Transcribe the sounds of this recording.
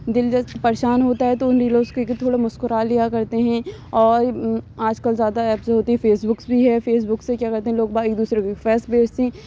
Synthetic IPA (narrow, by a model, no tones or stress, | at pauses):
d̪ɪld͡ʒɐspɐɾʃaːnɦoːt̪aɦɛt̪oʊnɾiːlõːskoekt̪ʰoːɽamʊskʊɾaːlːijakɐɾt̪eɦɛ̃ɔːɾaːd͡ʒkəlzjaːd̪aɛːpseɦoːt̪iɦɛfeːsbʊksbʱiɦɛfeːs̬bʊksekjaːkɐɾt̪ẽɦɛ̃loːɡ̚baːeːk̚d̪uːsɾekːfɛːsbʱeːt͡ʃt̪ĩː